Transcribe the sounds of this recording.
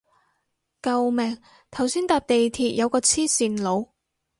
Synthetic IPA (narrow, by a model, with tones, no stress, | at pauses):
kɐ˨˧wmɛː˨˩ŋ | t̪ʰɐ˨˩wsiː˥nt̪aː˨˧p̚t̪e˨jt̪ʰiː˨˩t̚jɐ˨˧wkɔː˧t͡sʰiː˥siː˨nlo˨˧w